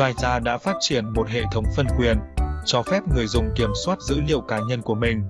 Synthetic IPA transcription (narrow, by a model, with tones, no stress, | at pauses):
aː˧jzaː˧ɗa̰ː˧˥faː˦˥t̚t͡ɕi˧˩ənmo˨˩t̚hḛ˧˨t̪ʰə˨˦wŋ͡mfə˧nkwi˨˩ənt͡ɕɔ˧fɛ˦˥p̚ŋɨ˨˩əjzʊ̰˧˨ŋ͡mki˧˩əmswaː˦˥t̚zɨ̰˧˥lḭ˧˨əwkaː˨˦ɲə˧nku˧˩əmï˨˩ŋ̟